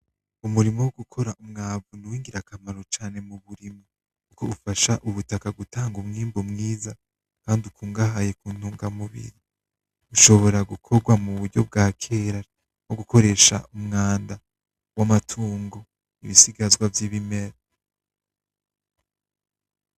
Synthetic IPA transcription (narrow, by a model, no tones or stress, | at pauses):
umuɾimowoɡukʰo̞ɾaʔumŋaːvunuwiːŋɡiɾakamaɾo̞t͡ʃaːne̞muβuɾimo | kuko̞ufaʃaʔuβutakaɡutʰaːŋɡumŋiːmbomŋiːza | kaːndiukuːŋɡaɦaje̞kuːn̥huːŋɡamuβḭɾi | uʃo̞βo̞ɾaɡukʰo̞ɡwamuβuɾɟo̞b̚ɡaːkʰeɾa | noɡuko̞ɾe̞ːʃa̰ʔumŋaːnda | wamatʰuːŋɡo̞ | iβisiɡazɡwavjiːβime̞ɾa